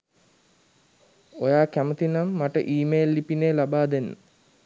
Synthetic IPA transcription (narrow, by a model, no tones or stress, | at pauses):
ojaːkæmət̪inamːaʈə̰ʔiːmeːlːipineːlabaːd̪enːə̰